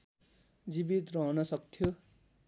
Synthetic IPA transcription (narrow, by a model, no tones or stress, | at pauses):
d͡zibit̪rʌɦʌnʌsʌkt̪ʰjo